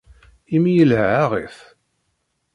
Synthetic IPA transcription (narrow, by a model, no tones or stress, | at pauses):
imijəlhʕaʁeθ